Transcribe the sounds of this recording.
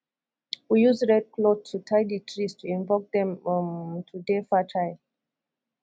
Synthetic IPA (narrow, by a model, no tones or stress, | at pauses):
wijuzɹɛd̚kʰlod̚tʰːutʰaɪditʰɹistʰuĩɱvɔk̚d̪ɛ̃m | tʰudefatʰaɪ